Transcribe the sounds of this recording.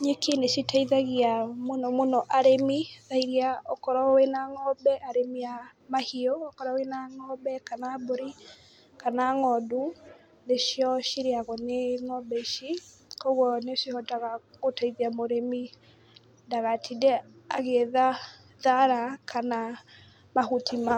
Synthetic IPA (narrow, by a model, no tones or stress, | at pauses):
ɲekeneʃitaiðaɣiamonɔmonɔʔaɾemiðaiɾiaɔkɔɾɔwenaŋɔbɛʔaɾemiamahiɔːkɔɾawenaŋɔbɛkanaboɾi | kanaŋɔdu | ðeʃiɔʃiɾeaɣɔneŋɔbɛʃi | kɔɣwɔneʃihɔtaɣaɣotaiðiamoɾemi | daɣatʰidɛaɣeða | ðaɾakʰana | mahutima